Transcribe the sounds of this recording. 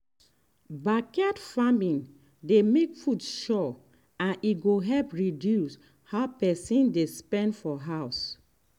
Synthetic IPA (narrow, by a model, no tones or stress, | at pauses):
bakɛtfamĩn | demekfudʃɔ | ãniɡoɦɛlpɹidjus | haʊpɛsĩndespɛ̃ndfɔɦaʊs